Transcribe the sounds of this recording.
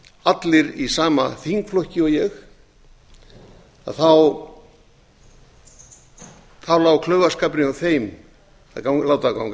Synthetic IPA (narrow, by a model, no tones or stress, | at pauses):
at̪lɪɾisaːma̰θiŋkflɔhcɪɔjɛx | a̰ðθaw | θawlaːwkʰlœɥvaskapnɪawθejm | akalaːwt̪aðka̰wm